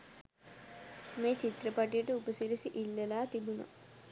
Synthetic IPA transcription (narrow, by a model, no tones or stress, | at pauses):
meːt͡ɕit̪ɾɐpɐʈijɐʈɨupɐsilisiʔilːɐlaːt̪ibunɐ̰